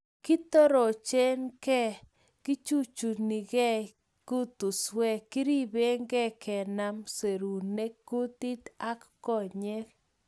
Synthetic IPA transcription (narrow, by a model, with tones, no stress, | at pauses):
ki˦t̪o˦ɾo˨t͡ʃe˦nkɛ˦ | kɪ˦t͡ʃu˦t͡ʃu˨ni˨ɡɛ˦ | ku˦t̪u˨swɛ˦kɪ˦ɾi˦be˦ŋɡɛ˦kʰɛ˨na˦mse˨ɾu˨ne˦ku˦t̪i˦t̪a˦kːɔ˦˨ɲe˦k